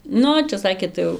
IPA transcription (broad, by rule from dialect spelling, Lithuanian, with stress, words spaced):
ˈnʊ t͡ʃʲɛ ˈsɑːkʲeː ˈtɐɪ jɛʊ